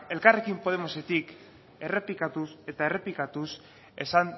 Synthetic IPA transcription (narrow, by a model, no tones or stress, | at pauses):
e̞lkare̞kimpo̞ð̞e̞mo̞se̞t̪ik | e̞re̞plikat̪use̞t̪aere̞plikat̪us | e̞san